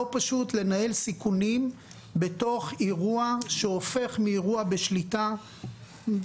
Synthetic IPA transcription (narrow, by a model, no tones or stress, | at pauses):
opaʃutle̞nae̞lsikunim | be̞to̞χiʁuaʃeofe̞χmiːʁuabe̞ʃlita